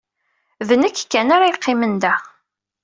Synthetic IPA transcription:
ðənækːkːænaɾajiqʰːɪmənd̪æ

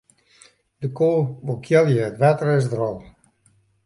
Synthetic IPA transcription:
d̥əkʰoːʋokʰjɛlˠjəətʋatərɛsdrɔlˠ

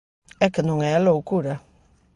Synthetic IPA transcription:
ɛkɪnʊŋɛaloukuɾa

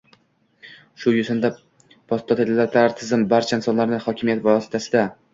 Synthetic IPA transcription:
ʃʊjʊsɪnd̪a | pʰɒst̪ʰːɒt̪ʰed̪alaɾt̪ʰaaɾt̪ʰɪzɪmbaɾt͡ʃʰaɪnsɒnlaɾnɪhɒkʲʰɪmijat̪vaɒsɪ̥t̪ʰasɪd̪a

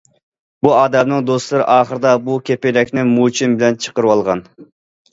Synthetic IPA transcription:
buɑːd̪ɛmnɨŋd̪oslˠɨɾɪ̰ʔɑːχəɾɨd̪ɑbukʲʰepɪɾɛkʲnɪmut͡ʃʰimbɪlɛnt͡ʃʰə̥qəɾɨwɑlˠʁɑ̰n

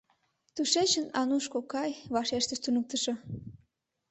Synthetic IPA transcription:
t̪uʃet͡ɕənɑnuʃkokɑjβɑʃeʃt̪əʃt̪unək̚t̪ə̆ʃo

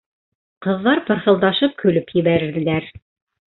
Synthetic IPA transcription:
qɤ̆ðːɑɾpɤ̆ɾhɤ̆lˠd̪ɑʃɤp̚kʰɵ̆lɵpjɘ̆βæɾɘ̆ɾd̪ðɘ̆læɾ

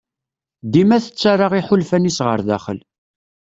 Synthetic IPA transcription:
d̪imæθət͡sːarˤɑʁiħʊlfænisʁə̰ɾðæ̰χə̰l

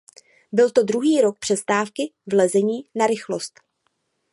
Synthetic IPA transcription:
bɪlt̪o̞dɾuɦiːɾo̞k̚pr̥ɛst̪aːfkɪvlɛzɛɲiːnaɾɪxlo̞st̪

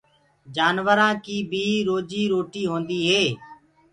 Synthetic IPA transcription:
d͡ʒaːnʋəɾãːkiːbʱiːɾoːd͡ʒiːɾoːʈiːɦõːnd̪iːɦeː

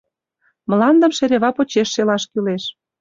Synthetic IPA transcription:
mə̆lɑnd̪ə̆mʃeɾʲeβɑpot͡ɕeʃːelɑʃkyleʃ

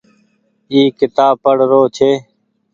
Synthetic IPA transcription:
iːkɪt̪aːpəɽ̤ɾoːt͡ʃʰeː

